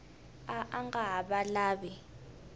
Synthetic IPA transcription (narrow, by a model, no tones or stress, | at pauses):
aʔaŋɡaɦaɓalaːɓɛ